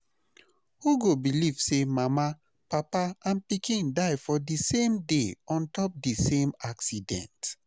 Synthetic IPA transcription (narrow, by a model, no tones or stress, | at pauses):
huɡobiliv̥semama | papaãnpikĩndaɪfɔdisẽmdeɔ̃ntɔp̚disẽmaksidɛ̰̃nt